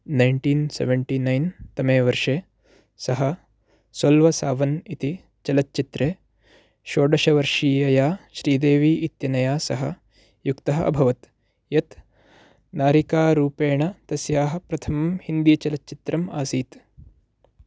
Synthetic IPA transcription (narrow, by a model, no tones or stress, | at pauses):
nɐjɳʈiːnsḛʋeɳʈiːnɐjnt̪ɐmeːʋɐɾʂeː | sɐɦɐ | swɐlʋɐsaːʋɐnit̪i | t͡ʃɐlɐtːt͡ʃit̪ɾeː | ʃoːɖɐʃɐʋɐɾʂiːjɐjaːʃɾiːd̪eːʋiːʔit̪jɐnɐjaːsɐɦɐ̰ | jukt̪ɐɦɐʔɐ̰bʱɐʋɐt̪ | jɐt̪ | naːɾikaːɾuːpeːɳɐt̪ɐsjaːɦɐ̆pɾɐt̪ʰɐmɐmhind̪ijɐt͡ʃɐlɐtt͡ʃit̪ɾɐma̰ːsiːt̪